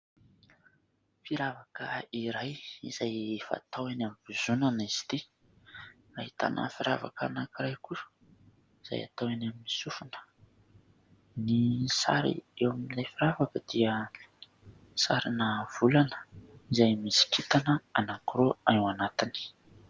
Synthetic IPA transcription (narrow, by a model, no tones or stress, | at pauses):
fiɾavakə̰iɾajiz̥ajfa̰t̪awanamv̥uzunanizi̥t̪i | aɦit̪a̰nʔa̰fiɾa̰va̰ka̰nakiɾajku | iz̥a̰ja̰t̪awanaminisufunə̥ | nisa̰ɾḭewaminilajfiɾavakəd̪̥iə | saɾinəv̥ulanə̥izajmisi̥kʰit̪anəanakɾoanwanat̪ini̥